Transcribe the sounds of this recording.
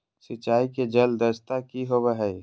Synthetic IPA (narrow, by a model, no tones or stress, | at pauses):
sɪt͡ʃːaːiked͡ʒɐld̪əɾst̪akiɦobəɦɛj